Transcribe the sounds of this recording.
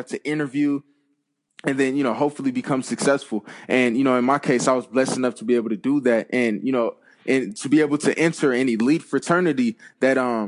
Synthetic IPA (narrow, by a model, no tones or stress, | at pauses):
ftʰɨʔɪ̃ɾ̃ə˞vjʉ | ɨ̃nðɨ̃njɨnoʊɦoʊpfl̩ˠibɨkʰʌ̃msɨksɛsfl̩ˠʔɨ̃njɨnoʊɨ̃nmaɪkʰeɪsaɪwʌzblɛsɨnʌftʰəbieɪbl̩ˠtʰɨdəðæt̚ɨ̃njɨnoʊ | ʔɨ̃ntʰɨbieɪbl̩ˠtʰɨʔɛ̃ntʰə˞ɛnilidfɹɨtʰɜ̃˞nɨɾiðɨɾʌ̃